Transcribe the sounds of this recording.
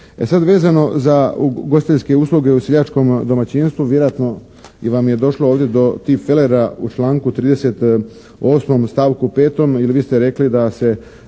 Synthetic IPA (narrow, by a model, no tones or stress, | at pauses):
esad̪ʋe̞ːzano̞zaɡosit̪eske̞uːslˠuɡeusiʎat͡ʃko̞md̪o̞mat͡ɕinst̪ʋuʋjeɾoat̪no̞ | iʋamje̞d̪o̞ʃlooːʋd̪ʲje̞d̪o̞t̪ipfeleɾaṵt͡ʃlaːŋkut̪ɾiːd̪e̞set̪ | o̞ːsmo̞mst̪aːʋkupe̞ːt̪o̞miliʋiːst̪eɾe̞klid̪ase̞